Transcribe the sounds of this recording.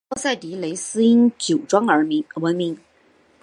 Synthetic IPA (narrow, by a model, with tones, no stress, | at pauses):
ɔ˥˧sa˥˩ɪt̪i˧˥le˧˥ɪsɹ̩˥i˥nt͡ɕjo˨˩ʊʈ͡ʂwɑ˥ŋə˞˧˥˧wə˧˥nmi˧˥ŋ